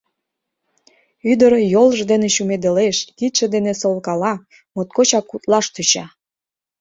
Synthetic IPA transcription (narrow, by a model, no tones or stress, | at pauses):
yd̪əɾjolʒd̪eneʃumed̪eleʃkit̪ʃed̪enesolkɑlɑ | mot̪̚kot͡ɕɑkːut̪lɑʃt̪yt͡ɕɑ